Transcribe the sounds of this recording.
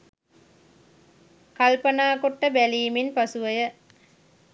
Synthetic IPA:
kalpənaːkoʈːəbæliːminpasuʋəjə

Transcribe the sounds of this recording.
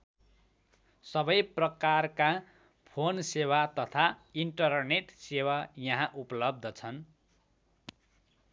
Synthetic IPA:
sʌbʌjprʌkarka | pʰonsewat̪ʌt̪ʰaiɳʈʌrneʈsewajʌɦãʔupʌlʌb̚d̪ʌt͡sʰʌn

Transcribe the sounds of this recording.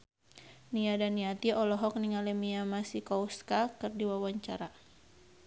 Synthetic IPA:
niadaniat̪iɔlɔɦɔk̚niŋalɛmiamasikɔuskakɨrdiwawaɲt͡ʃaɾa

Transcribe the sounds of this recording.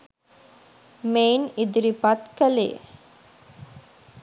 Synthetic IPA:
meːnid̪iɾipat̪kɐlḛː

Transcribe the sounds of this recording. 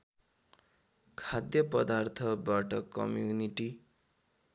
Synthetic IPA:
kʰad̪jʌpʌd̪art̪ʰʌbaʈʌkʌ̰mjuniʈi

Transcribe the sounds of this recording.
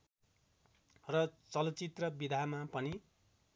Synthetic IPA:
rʌt͡sʌlʌt͡sit̪rʌbid̪ʱamapʌni

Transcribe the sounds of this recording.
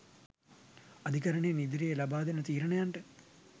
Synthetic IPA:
ɐd̪ʱikɐɾəɳenid̪iɾejəlabaːd̪enət̪iːɾəɳejaɳʈə

